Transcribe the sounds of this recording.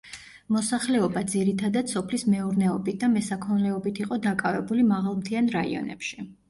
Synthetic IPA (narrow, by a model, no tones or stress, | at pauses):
mɔsaχlɛɔbad̪ziɾit̪ʰad̪at̪sɔpʰlismɛuɾnɛɔbit̪̚ʰd̪amɛsakʰɔnlɛɔbit̪ʰiqʼɔd̪akʼavɛbulimaʁalˠmt̪ʰianɾaḭɔ̰nɛ̰pʃi